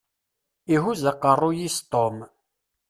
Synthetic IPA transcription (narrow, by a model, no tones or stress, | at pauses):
iɦuzəqːərˤːʊjist̪ˤom